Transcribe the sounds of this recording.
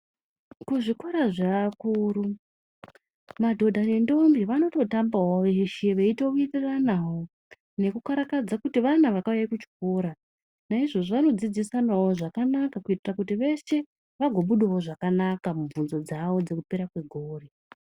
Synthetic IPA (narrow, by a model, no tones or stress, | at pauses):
kuʐikoɾaʐaːkuɾu | madʱo̞dʱane̞ndo̞mbiʋano̞to̞tambawoʋeʃeʋe̞ito̞kuitiranawo̞ | ne̞kukaɾakad͡zakutiʋanaʋakaujaikut͡ʃi̥koɾa | naiʐo̞ʐoʋano̞d͡zid͡zisanawo̞ʐakanakakuitirakutiʋe̞ʃe̞ | ʋaɡʱo̞ɓuɗawoʐakanakamuɱvunzo̞d͡zawo̞d͡ze̞kupe̞ɾakwe̞ɡʱoːre